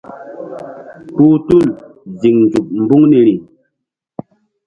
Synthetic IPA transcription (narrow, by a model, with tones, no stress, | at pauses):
pu˦tu˦˨l | zi˨ŋnd͡zu˨p̚m̩˦bu˦ŋne˨ɾi˨